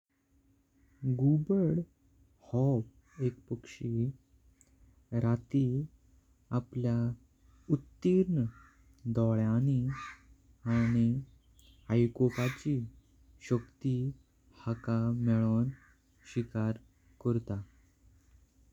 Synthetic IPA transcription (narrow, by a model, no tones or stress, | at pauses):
ɡubəɽ | hɔb | ekpəkʂi | ɾat̪i | aplja | ut̪ːiɾn | d̪ɔɭjañi | aɽ̃i | hajkokat͡ɕiː | ɕəkt̪i | hakamɛɭon | ɕikaɾ | kəɾt̪a